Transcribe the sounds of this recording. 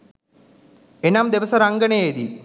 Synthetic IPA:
enamd̪eʋɐsɐɾaŋɡɐɳed̪i

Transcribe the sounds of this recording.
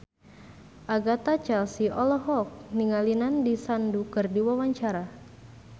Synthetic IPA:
ʔaɡat̪at͡ʃɛlsiʔɔlɔɦɔk̚niŋalinandisandukɨrdiwawaɲt͡ʃaɾa

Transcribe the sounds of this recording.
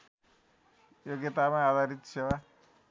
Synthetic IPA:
joɡet̪amaad̪ʱaɾit̪sewa

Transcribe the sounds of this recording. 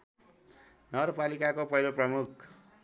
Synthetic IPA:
nʌɡʌrpalikakopʌjloprʌmukʰ

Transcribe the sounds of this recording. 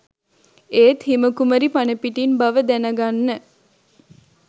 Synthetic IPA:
eːt̪himəkuməɾipanəpiʈinbaʋəd̪ænəɡanːə

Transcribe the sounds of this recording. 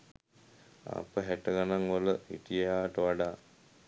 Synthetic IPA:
a̰pəɦɛʈəɡanaŋoləɦḭʈijejaːʈəʋaɖaː

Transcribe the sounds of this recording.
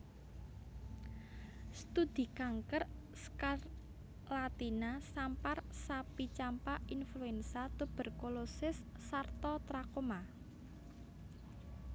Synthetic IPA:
st̪ud̪̥i̤kaŋkər | skar | lat̪inasamparsapit͡ʃampaʔinfluɛnsat̪ub̥ə̤rkolosɪsːart̪ɔt̪ɾakoma

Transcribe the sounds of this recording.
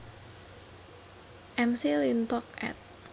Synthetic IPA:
ʔɛmsilint̪ɔk̚ɛ̰t̪̚

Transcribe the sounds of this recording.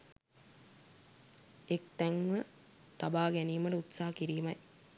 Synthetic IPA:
ek̚t̪æŋʋə | t̪abaːɡæniːməʈəut̪saːɦɐkiɾiːmɐj

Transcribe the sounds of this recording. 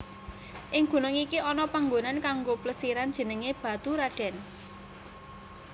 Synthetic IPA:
ʔɪŋɡ̥ṳnʊŋikiʔɔnɔpaŋɡonankaŋɡopləsiɾand̥ʒ̥ə̤nəŋeb̥ä̤t̪uɾaɖ̥ɛ̤n

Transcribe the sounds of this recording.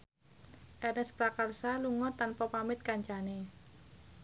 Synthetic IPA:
ʔɛrnɛspɾakarsaluŋɔt̪anpapamɪt̪̚kaɲt͡ʃane

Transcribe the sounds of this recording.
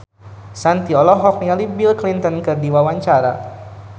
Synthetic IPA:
sant̪iɔlɔɦɔk̚ɲalibilklint̪ɔnkɨrdiwawaɲt͡ʃaɾa̰

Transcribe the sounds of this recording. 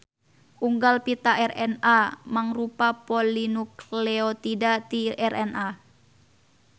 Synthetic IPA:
ʔuŋɡalpit̪aʔɛrɛnamaŋrupapɔlinuklɛot̪idat̪iʔɛrʔɛna

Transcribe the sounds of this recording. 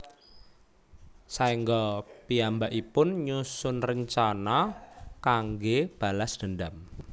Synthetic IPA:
saiŋɡɔpiambaʔipʊnɲusʊnrəɲt͡ʃanakaŋɡeb̥a̤lasd̪̥ə̤ndam

